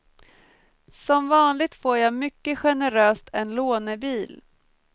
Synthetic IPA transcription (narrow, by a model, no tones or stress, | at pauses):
sɔmvɑːnlɪɡ̚t̪foːɾjɑmʏkːəɧɛnəɾøːst̪ʰɛnloːnəbiːl